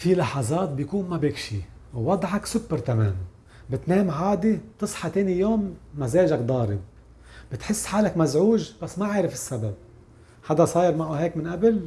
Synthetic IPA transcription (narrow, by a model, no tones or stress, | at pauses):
filɑħɑzˤɑːt̪̚bjkuːnmabɪkʃiwːɑd̪ˤʕɑksʊbːɪɾt̪amḛːm | bɪt̪neːmʕaːd̪it̪ɨsˤħɑt̪eːnijoːmːazeːʒakd̪ˤɑːɾɪb̚ | bɪt̪ħɪsːħaːlakmazʕuːʒb̥asːmaʕaːɾɪfɪsːabab̚ | ħad̪asˤɑːjɪɾmaʔuːɦeːkmɪnʔabɪl